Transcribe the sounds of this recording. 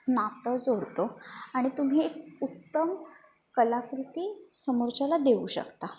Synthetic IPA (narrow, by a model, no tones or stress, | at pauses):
napt̪əd͡zoɾt̪oaɽ̃it̪um̤iekut̪ːəm | kəlakɾut̪iːsəməɾd͡ʑalad̪euːɕə̰kt̪a